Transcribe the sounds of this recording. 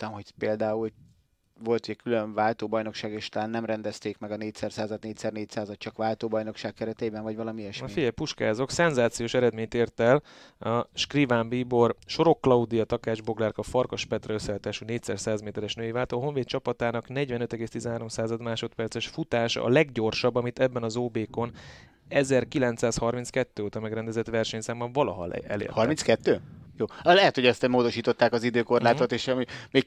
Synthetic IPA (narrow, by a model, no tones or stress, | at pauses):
t̪ɛmhopeːld̪aːul | vo̞lt̪uɟɛkylø̞mnvaːlt̪oːbɒjno̞kʃaːɡeːʃt̪ɒlaːnːɛmɾɛnd̪ɛst̪eːkmɛɡɒneːcsɛrsaːzɒd̪neːcsɛrneːcsaːzɒt̪̚t͡ʃɒkʋaːlt̪oːbɒjno̞kʃaːkkːɛɾɛt̪eːbɛɱvɒɟvɒlɒmiɛʃfiɟɛjpuʃka̰ːzo̞ksɛnzaːt̪sijoːʃɛɾɛd̪meːɲt̪eːrt̪ɛl | ɒʃkrivaːmbiːbo̞rʃo̞ɾo̞kːlɒud̪ijɒt̪ɒkaːʒbo̞ɡlaːrkɒfɒrkɒʃpɛt̪rɛøsːɛt̪aːʃuneːcsɛrsaːzmeːt̪ɛɾɛʃnøːjevaːlt̪oɦo̞ɱveːt̪t͡ʃɒpɒt̪aːnɒknɛɟvɛnøt̪ɛɡeːst̪izɛnɦaːɾo̞msaːzɒd̪maːʃo̞t̪pɛrt̪sɛʃfut̪aːʃɒ̰lɛɡɟo̞rʃɒbːɒmit̪ɛbːɛnɒzoːbeːko̞n | ɛzɛrkilɛnt̪saːshɒrmint̪skɛt̪ːøːoːt̪ɒmɛɡrɛnd̪ɛzɛt̪ʋɛrʃɛɲsaːmɒvɒlɒɦɒ̰l̰ɛ̰lḛːrthɒɾrminskɛt̪ːøːjoːlɛɦɛt̪hoɟɛst̪ɛmoːd̪oʃiːt̪o̞t̪ːaːkɒzid̪øːko̞rlaːt̪ot̪eːʃɒmimeːɡ